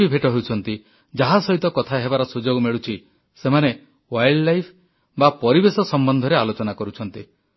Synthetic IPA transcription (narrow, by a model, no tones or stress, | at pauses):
ibʱeʈɔɦeut͡ʃʰɔnt̪i | d͡ʒaɦasɔɦit̪ɔkɔt̪ʰaɦebaɾɔsud͡ʒoɡmeɭut͡ʃʰi | semane | wajɽlajpʰ | bapɔɾibesɔsɔmbɔnd̪ʱɔɾealot͡ʃɔnakɔɾut͡ʃʰɔnt̪i